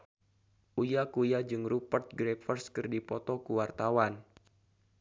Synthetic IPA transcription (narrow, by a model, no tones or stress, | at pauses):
ʔujakujad͡ʒɨŋɾupərt̪̚ɡɾefərskɨrdipɔt̪ɔkuwart̪awan